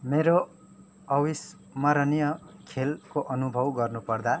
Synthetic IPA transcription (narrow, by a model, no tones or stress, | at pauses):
meɾo | ʌwis | mʌɾʌnijʌkʰelkoʔʌnubʱʌwɡʌrnupʌrd̪a